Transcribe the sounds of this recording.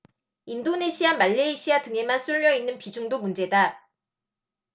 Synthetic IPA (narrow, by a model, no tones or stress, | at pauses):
indone̞ɕʰiamaɭːeiɕʰiatɯŋe̞mansʰuɭːjʌinːɯnpid͡ʑuŋdomund͡ʑe̞da